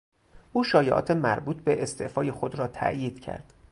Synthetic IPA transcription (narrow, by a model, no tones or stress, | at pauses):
ʔuːʃɒːjeʔɒ̰ːt̪ʰemæɾbuːt̪ʰbeʔest̪ʰeʔfɒːjexo̞d̪ɾɒːt̪ʰæ̰ʔjiːd̪̥cʰæ̰ɾd̪̥